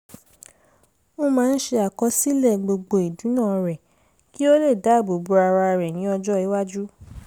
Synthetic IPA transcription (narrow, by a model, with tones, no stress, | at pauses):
o˦mãː˨˦˧n̩˦ʃe˧a˨kɔ˧˦si˦lɛ˦˨ɡ͡bo˧ɡ͡bo˧˨i˨dũ˨˦nãː˦˨˧ɾɛ˨ | ki˦o˦le˦˨da˨˦˨bo˨bu˨˧a˧ɾa˧ɾɛ˨nĩ˨˦ɔ˧d͡ʒɔ˦i˨˦wa˦d͡ʒu˦